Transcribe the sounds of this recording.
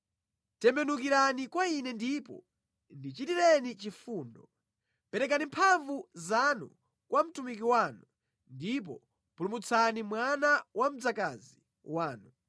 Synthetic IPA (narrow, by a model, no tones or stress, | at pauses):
tɛmbɛnukiɾanikwainɛndipɔ̰ | ndit͡ʃitiɾɛnit͡ʃifuːndɔ | pɛɾɛk̬animpʰaɱvuzanṵ | kwam̩tumik̬iwaːnu | ndip̬ɔ | pulumut͡sʰanimwanawam̩d͡zakazi | waːnu